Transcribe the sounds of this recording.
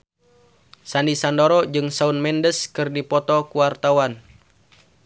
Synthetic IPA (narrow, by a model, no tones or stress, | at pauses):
sandisandɔɾɔd͡ʒɨŋsaunmɛndəskɨrdipɔt̪ɔkuwart̪awan